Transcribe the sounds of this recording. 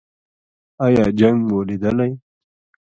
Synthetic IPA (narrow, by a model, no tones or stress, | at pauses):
ɑjɑːd͡ʒaŋɡmolid̪əlaj